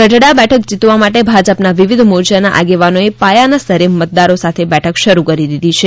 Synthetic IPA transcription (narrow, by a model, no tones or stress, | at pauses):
kəʈɽabɛʈʰəkd͡ʒit̪ʋamaʈebʱad͡ʒəpnaʋiʋid̪moɾd͡ʒjanaʔa̰ɡeʋanoepajanasəɾemːət̪̚d̪aɾosat̪ʰebɛʈʰəkʃəɾukəɾid̪id̪ʱit͡ʃʰe